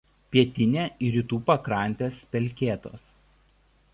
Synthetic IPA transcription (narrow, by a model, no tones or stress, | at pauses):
pʲiɛt̪ʲɪnʲeːiɾʲit̪uːpɐkɾɑˑnʲt̪ʲeːspʲɛlʲkʲeːt̪o̰ːs